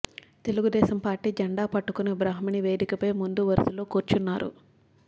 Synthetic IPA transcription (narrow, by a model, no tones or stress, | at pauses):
t̪eluɡud̪ɛːsɐmpaːɾʈiːd͡ʒɐɳɖaːpɐʈːukunɐbɾaːɦminiʋe̞ːd̪ikɐpɐjmund̪uʋɐɾɐsuloːkoːɾt͡ʃunːaːɾṵ